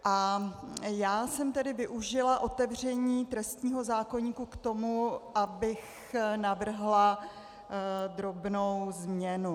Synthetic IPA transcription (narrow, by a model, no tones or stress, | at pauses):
ʔa | jaːsɛmt̪ɛdɪvɪʔuʒɪlaʔo̞t̪ɛvr̝ɛɲiːt̪ɾɛst̪ɲiːɦo̞zaːko̞ɲiːkukt̪o̞muʔabɪx | navr̩ɦla | d̪ɾo̞bnowzmɲɛnu